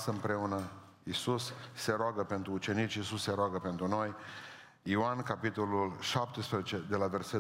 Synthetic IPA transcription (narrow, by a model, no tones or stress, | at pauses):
səɨmpɾeunə | isusːe̞ɾoaɡəpe̞nt̪ɾuːt͡ʃe̞nit͡ʃʲisusːe̞ɾoaɡəpe̞nt̪ɾuno̞j | ioankapit̪o̞lulʃap̚t̪espɾezet͡ʃe̞d̪e̞lave̞rse